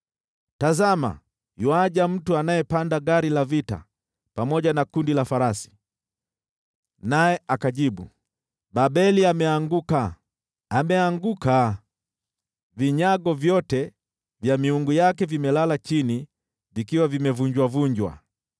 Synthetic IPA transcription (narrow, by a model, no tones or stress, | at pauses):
tazama̰ | juaʄam̩tuanajɛpandaɡaɾilavita̰ | pamɔʄanakundilafaɾasi̥ | najɛʔakaʄiɓu | baɓɛliamɛaŋɡukaː | mɛaŋɡuka | viɲaɡɔvjɔtɛ | vjamiuŋɡujakɛvimɛlalat͡ʃini | vikiwavimɛvuɲd͡ʒwavuɲd͡ʒwa̰